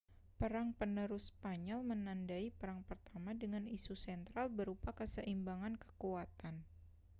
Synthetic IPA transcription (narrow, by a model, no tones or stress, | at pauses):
pəɾaŋpənəɾʊspaɲɔlmənandaipəɾaŋpərt̪amadəŋanisusɛnt̪ɾalbəɾupakəsəʔimbaŋankə̥kuat̪an